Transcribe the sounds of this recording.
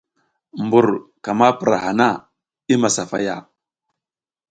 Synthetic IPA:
mbu˨ɾka˨ma˦pə˨ɾa̰˨ha˨na˦˨ | i˦ma˨sa˨fa˦ja̰˦˨

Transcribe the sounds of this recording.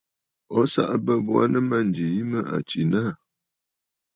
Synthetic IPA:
ɔ˦sa̰˦ʔbə˦bwa̰˦nə˦ma˦˨n˨d͡ʒi˨ji˦mə˦ʔa̰˨t͡ʃi˨na˦˨

